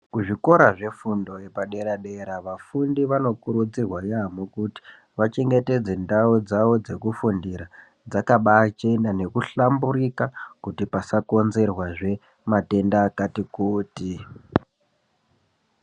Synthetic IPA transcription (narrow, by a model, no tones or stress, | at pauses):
kuʐiko̞ɾaʐe̞fundo̞jepaɗe̞ɾaɗe̞ɾaʋafundiʋano̞kuɾud͡zirwajamokuti̥ | ʋat͡ʃe̞ŋɡe̞te̞d͡ze̞ndaud͡zaʋod͡ze̞kufundiɾa | d͡zakaɓat͡ʃenane̞kuɬambuɾikakutipasako̞nze̞rwaʐe̞ | mate̞ndakatikuːti